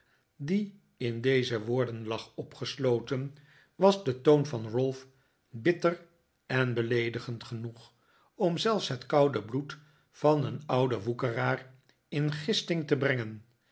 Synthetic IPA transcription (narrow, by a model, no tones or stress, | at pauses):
di | ɪndejzəʋʊːɹdənlɑχɔpχəslowtən | ʋɑzdətownvɑnrɵlˠf | bɪtər | ɛnbəlejdəχəntχənuχ | ɔmzɛlˠfsɦətkɑwdəblut | fɑnənʌwdəʋukəraːr | ɪnχɪstɪŋtəbrɛŋən